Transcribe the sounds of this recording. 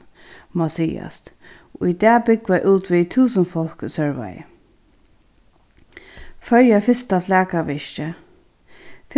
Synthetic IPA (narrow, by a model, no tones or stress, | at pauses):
mɔsiːa̰st̪ | ʔʊjd̪ɛːbɪɡʋajʔuːt̪ʋit̪ʰuːsənfɔlksœɹʋa̰j̰ | fœɹjafɪst̪aflæːkaʋɪʃt͡ʃə | f